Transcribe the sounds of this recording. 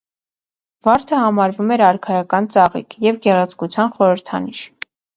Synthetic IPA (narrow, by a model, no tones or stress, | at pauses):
vɑɾt̪ʰəhɑmɑɾvumɛɾɑɾkʰɑjɑkɑnt͡sɑʁḭkʰjɛvɡɛʁɑt͡skut͡sʰjɑnχɔɾəɾt̪ʰɑ̰niʃ